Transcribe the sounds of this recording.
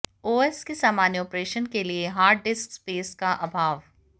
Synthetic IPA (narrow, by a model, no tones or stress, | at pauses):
oːɛskesaːmaːnjɔːpɾeːʃənkelieɦaːɾɖɖɪskspeːskaʔɐbʱaːʋ